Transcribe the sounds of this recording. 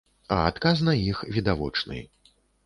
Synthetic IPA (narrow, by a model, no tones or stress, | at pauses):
ɐ̰at̪kasnɐixvʲid̪avɔ̰t͡ʂnɨ̰